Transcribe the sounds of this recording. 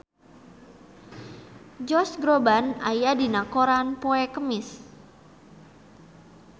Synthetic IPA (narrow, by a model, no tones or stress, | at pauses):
d͡ʒɔsɡɾobanajadinakoɾanpoɛkəmɪs